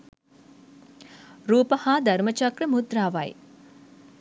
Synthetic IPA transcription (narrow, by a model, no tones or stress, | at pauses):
ɾuːpɐhaːd̪ʱɐɾmət͡ʃɐkɾəmud̪ɾaːʋɐj